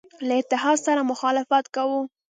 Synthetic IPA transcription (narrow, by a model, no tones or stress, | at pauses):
laɪt̪ɪɦɑd̪saɾamʊxɑlɪfat̪kawu